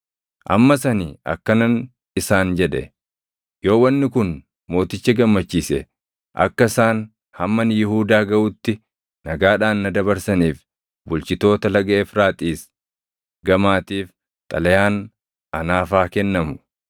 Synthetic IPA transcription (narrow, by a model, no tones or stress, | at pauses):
ʔɐ̰mːɐsɐniːʔɐ̰kːɐnɐn | ɪsaːnd͡ʒɛᶑɛ̰ | jo̞ːwɐnːɪkʊn | mo̞ːt̪ɪt͡ʃːɐɡɐmːɐt͡ʃːiːsɛ | ʔɐ̰kːɐɪsaːn | hɐmːɐnɪjɪɦuːd̪aːɡɐʔʊt̪ːɪ | nɐɡaːᶑaːnːɐd̪ɐbɐɾsɐniːf | bʊlt͡ʃɪt̪o̞ːt̪ɐlɐɡɐʔeːfɾaːt̪ʼiːs | ɡɐmaːt̪iːf | t̪ʼɐlɐjaːn | ɐnaːfaːkɛnːɐmʊ